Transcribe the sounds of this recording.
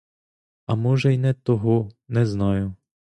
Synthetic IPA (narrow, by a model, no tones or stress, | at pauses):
ɐmɔʒɛjnɛt̪ɔɦɔnɛznɑjʊ